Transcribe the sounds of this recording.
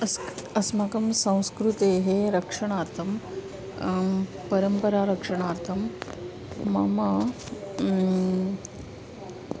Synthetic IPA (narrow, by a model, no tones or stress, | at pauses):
əsəsmakɐmsɐ̃w̃skɾut̪eɦeɾəkʂəɽ̃aːɾt̪ʰɐm | pəɾəmpəɾaɾɐkʂəɽ̃aːɾt̪ʰɐmː | ama